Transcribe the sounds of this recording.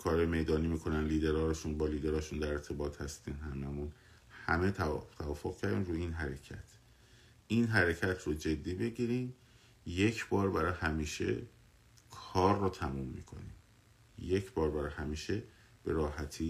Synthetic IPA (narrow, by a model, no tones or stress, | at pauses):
kʰɒːɾɒːjemejd̪ɒːniːmiːkʰo̞nænliːd̪e̞ɾɒːɾeʃunbɒːliːd̪e̞ɾɒːʃund̪æɾeɾt̪ʰe̞bɒːt̪hæst̪iːnhæmæmun | hæmet̪æt̪ʰævɒːfoɣ̥cʰæɾd̪iːnɾuːiːnɦæɾecʰæ̰t̪ʰ | iːnɦæɾecʰæt̪ʰɾɔd͡ʒe̞d̪ːiːbe̞ɟiɾim | je̞cʰbɒːɾbæɾɒːjhæmiːʃe̞̰ | kʰɒːɾːɔːt̪ʰæmumːḭkʰo̞̰nḭm | je̞cʰbɒːɾbæɾɒjhæmiːʃe̞ | b̥e̞ɾɒːɦæt̪ʰiː